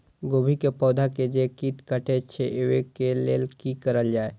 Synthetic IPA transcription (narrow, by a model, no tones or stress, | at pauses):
ɡobʱikepɔːd̪ʱaked͡ʒekiʈkəʈet͡ʃʰeʔewekelḛːlkikəɾəld͡ʒaːe